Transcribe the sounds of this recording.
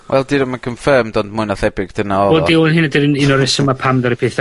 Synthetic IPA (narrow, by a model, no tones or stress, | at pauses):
wʔɛ̰lˠdɪɾəmankʰəɱfəmdɔndmʊɨnɔθɛbɪɡ̥d̥ənaɔolˠdiʊnhɪnadɪɾəninɔɾɪsəmapʰamðaɾəpʰeːθ